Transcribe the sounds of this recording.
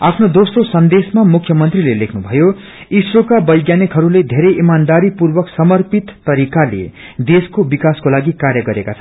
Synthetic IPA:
apʰnod̪osrosʌnd̪esmamukʰjʌmʌnt̪rilelekʰnubʱʌjo | isrokabʌjɡjanekɦʌɾuled̪ʱeɾʌjʔimand̪aɾipurbʌksʌmʌrpit̪ːʌɾikalḛ | d̪eskobikaskolaɡikaɾjʌɡʌɾekat͡sʰʌ

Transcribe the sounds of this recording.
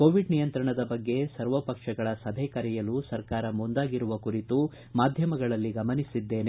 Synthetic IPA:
koːʋiɖnijɐnt̪ɾɐɳɐd̪ɐbɐɡːe̞sɐɾʋɐpɐkʂɐɡɐɭɐsɐbʱekɐɾɛjɐlusɐɾkaːɾɐmund̪aːɡiɾuʋɐkuɾit̪u | maːd̪ʱjɐmɐɡɐɭɐlːiɡɐmɐnisid̪ːe̞ːne

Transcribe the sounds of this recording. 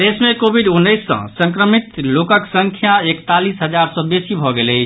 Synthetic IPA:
d̪esmẽkobʱiɖunːəɪsːə̰̃sə̃ŋkɾəmit̪lokəksəŋkʰjaekt̪alisɦəd͡ʒaɾsə̃besibʱɔɡelət͡ʃʰ

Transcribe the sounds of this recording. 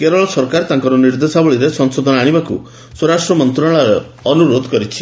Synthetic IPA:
keɾɔɭɔsɔɾkaɾt̪aŋkɔɾɔniɾd̪esabɔɭiɾesɔŋsod̪ʱɔnɔaɽ̃ibakṵ | swɾasʈɾɔmɔnt̪ɾɔɭ̃ɔɾe | ɔnuɾod̪ʱɔkɔɾit͡ʃʰi̥

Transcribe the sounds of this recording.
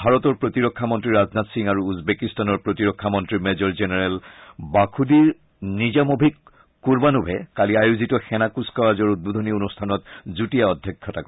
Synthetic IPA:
bʱaɹɔtɔɹpɹotiɹɔkʰːamɔntɹiɹaznatsiŋaɹuːzbekistanɔɹpɹotiɹɔkʰːamɔntɹimɛzɔɹzenɛɹɛlbakʰudiɹ | nizamobʱik | kuɹbanubʱɛkaliajuzitɔxɛnakuskawazɔɹudud̪ʱɔnionustʰanɔtzutijaɔdʱjɔkʰːɔtakɔ

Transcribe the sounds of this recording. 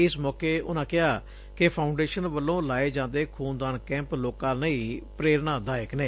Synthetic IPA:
ɪsmɔːkeːʊnãːkɪɦaː | kɪpʰaːʊɳɖeːʃənʋəlːõːlaːeːd͡ʒãːnd̪eːkʰuːnd̪aːɳkɛ̃ːmploːkãːnəĩːpɾeːɾnãːd̪aːjəkneː

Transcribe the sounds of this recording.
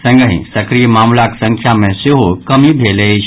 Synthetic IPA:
sɐ̃ŋɡəɦḭ̃sɐkɾijəmaːmlaksɐ̃ŋkʰjamẽsɪɦokɐmibʱelet͡ʃ

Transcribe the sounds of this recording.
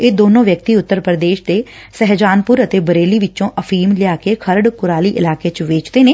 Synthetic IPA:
eːd̪oːnõːʋjək̚t̪iːʊt̪ːəɾpɾəd̪eːʃd̪eːsɛɦd͡ʒaːnpʊɾət̪eːbəɾeːliːʋɪtːt͡ʃõːʔəpʰiːmlɪjaːkekʰəɾɖkʊɾaːliːʔɪ̰laːkeːt͡ʃʋeːt͡ʃd̪eːneː

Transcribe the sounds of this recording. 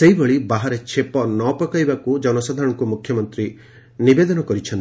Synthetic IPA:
sejbɔɭibaɦaɾet͡ʃʰepɔnɔpɔkajbakud͡ʒɔnɔsad̪ʱaɾɔ̃ɔkumukʰjɔmɔnt̪ɾi | nibed̪ɔnɔkɔɾit͡ʃʰɔnt̪i

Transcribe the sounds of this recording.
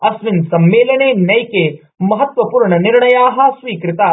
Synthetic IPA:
ɐsʋɪnsɐmːeːlɐneːnɐjke | mɐɦɐt̪ʋɐpuːɾɳɐnɪɾɳɐjaːɦɐ̆sʋiːkɾɪt̪aː

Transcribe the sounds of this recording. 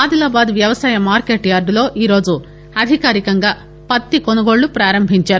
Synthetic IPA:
aːd̪ilaːbaːd̪ʋjɐʋɐsaːjɐmaːɾkeːʈjaːɾɖulo̞ːʔiːɾo̞ːd͡ʒu | ɐd̪ʱikaːɾikɐŋɡaː | pɐt̪ːikonɐɡo̞ːɭːupɾaːɾɐmbʱiɲt͡ʃaːɾu

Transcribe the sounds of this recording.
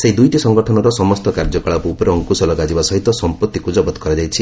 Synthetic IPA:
seɦid̪ujʈisɔŋɡɔʈʰɔnɔɾɔsɔmɔst̪ɔkaɾd͡ʒɔkɔɭapːpɔɾeɔŋkusɔlɔɡad͡ʒibasɔɦit̪ɔsɔmpɔt̪ːikud͡ʒɔbɔt̪kɔɾad͡ʒajt͡ʃʰi

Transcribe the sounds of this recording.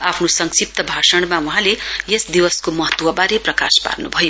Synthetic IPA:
apʰnosʌŋsip̚t̪ʌbʱasʌɽ̃mawuɦãlejesd̪iwʌskomʌɦʌt̪wʌbaɾeprʌka̰spa̰rnubʱʌjo

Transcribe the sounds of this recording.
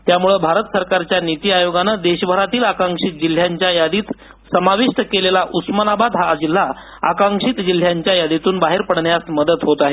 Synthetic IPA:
t̪jamuɭebʱaɾət̪səɾkaɾt͡ɕjanit̪iːajoɡanəd̪eɕbʱəɾat̪iːlakaŋkʂit̪̚d͡ʑil̤jaɲt͡ɕjajad̪iːt̪ | səmaʋiʂʈəkelelaʔusmənabad̪ɦad͡ʑil̤ːa | a̰kaŋkʂit̪d͡ʑil̤jaɲt͡ɕjajad̪it̪uːnbaɦeɾpəɽɳjasməd̪ət̪ɦot̪aɦe

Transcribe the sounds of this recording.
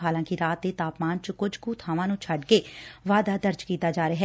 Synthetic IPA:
ɦaːlãːkiɾaːt̪̚d̪eːt̪aːpmaːnt͡ʃəkʊd͡ʒkuːt̪ʰaːʋãːnũːt͡ʃʰəɖkeːʋaːd̪aːd̪əɾd͡ʒkiːt̪aːd͡ʒaːɾəɦɛː

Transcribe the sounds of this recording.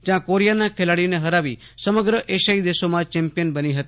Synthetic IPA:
d͡ʒjãkoɾijanãkʰelaɽineɦəɾaʋi | səməɡɾəʔeʃaid̪esomãt͡ʃɛmpijənbəniɦət̪i

